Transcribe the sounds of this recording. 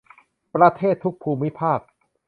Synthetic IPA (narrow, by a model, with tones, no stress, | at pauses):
pɾa˧t̪ʰeː˥˩t̪ʰːu˦˥k̚pʰuː˧mi˦˥pʰaː˥˩k̚